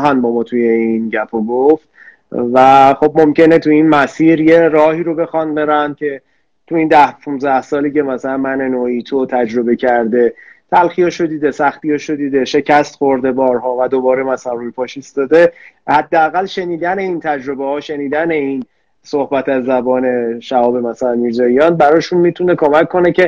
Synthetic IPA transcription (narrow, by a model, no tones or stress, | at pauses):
ɦænbɒːmɒːt̪ʰuje̞inɟæpʰoɡoft̪̚ | væxo̞b̚momce̞ne̞t̪ʰuinmæsiːɾje̞rɒːhiːɾo̞be̞xɒnbe̞ɾæn̚cʰe̞ | t̪ʰuind̪æhʃũnzæhsɒːliːcʰe̞mæsælænmænenoːit̪ʰot̪ʰæd͡ʒɾo̞be̞cʰæɾd̪e̞t̪ʰælxijɒʃod̪iːd̪esæxt̪ijɒʃod̪iːd̪e̞ʃe̞cʰæst̪xoɾd̪e̞bɒːɾɦɒːvæd̪obɒːɾemæsælænrujpʰɒːʃist̪ɒːd̪e̞hæd̪ːeæɣælʃe̞niːd̪æne̞int̪ʰæd͡ʒɾo̞behɒːʃe̞niːd̪æne̞in | sohbæt̪ʰæzːæbɒːne̞ʃæhɒːbe̞mæsælænmiːɾzɒːijɒːnbæɾɒːʃunmit̪ʰunekʰo̞mækʰːo̞ne̞cʰe̞